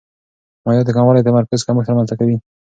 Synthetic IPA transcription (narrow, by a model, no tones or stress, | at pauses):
majɑd̪əkamwɑlad̪əmaɾkazkaməxt̪əɾmanzt̪akawi